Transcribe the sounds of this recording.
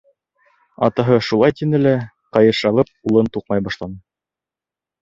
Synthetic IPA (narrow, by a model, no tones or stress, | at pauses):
ɑ̰t̪ɑɦɤʃulˠɑjt̪inɘlæ | qɑjɤ̆ʃɑlˠɤp̚ulˠɤnt̪uq̚mɑjbɑʃlˠɑnɤ